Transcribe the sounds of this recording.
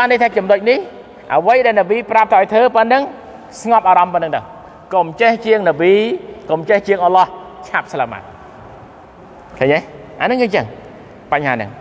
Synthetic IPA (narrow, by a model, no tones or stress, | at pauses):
anːəjt̪ʰaːt͡ɕumnoc̚nih | ʔəʋəjɗaɛlnəɓiːprap̚t̪ʰːʔaɔjt̪ʰəːpənːɨŋ | sŋɑp̚ʔaːɾɑmpənɨŋɗ̪əw | komt͡ɕeht͡ɕiəŋnəʋiːkomt͡ɕeht͡ɕiəŋʔəlɑht͡ɕʰap̚slaːma̰ː | kʰəːɲa | ʔa̰nɨŋɨːɲt͡ɕəŋ | paɲhaːnɨ̰ŋ